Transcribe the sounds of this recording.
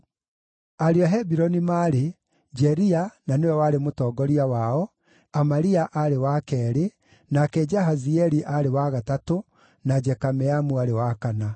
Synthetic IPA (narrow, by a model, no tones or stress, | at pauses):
aɾeaɦɛbiɾɔnimaːɾe | d͡ʒɛɾiananewɛwaɾemotɔːɡɔɾiawaɔ | amaɾiaʔaɾewakɛːɾe | nakɛd͡ʒaɦaziɛɾiʔaɾewaɣatato | nad͡ʒɛkamɛamuaɾewakana